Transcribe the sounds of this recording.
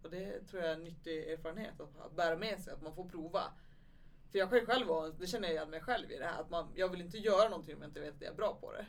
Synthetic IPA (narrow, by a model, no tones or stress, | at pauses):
ɔd̪ɛt̪ʰɾuːɾjaɛnːʏt̪ːɪeːɾfɑːɾənhḛːt̪at̪a̰t̪̚bæːɾamɛsɛjat̪manfoːɾpʰɾuːva̰ | fœɾjɑːɡɧɛɧɛlvɑnd̪ɛɕɛnːəjajɛnmɛjɧɛlvɪ̰d̪ɛhæ̰ːɾa̰t̪manjɑːɡvɪlɪnt̪əjœːɾanɔnt̪ʰɪŋɔmjaɪnt̪əveːt̪at̪̚d̪ɛæ̰ɾbɾɑːpʰɔ̰d̪ɛ̰